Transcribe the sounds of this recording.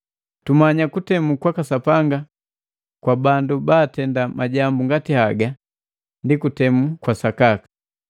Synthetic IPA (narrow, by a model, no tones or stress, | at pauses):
tumaɲakutɛmukwakasapaŋɡa | kwabandubaːtɛndamaɟambuŋɡatihaɡa | ndikutɛmukwasakakḁ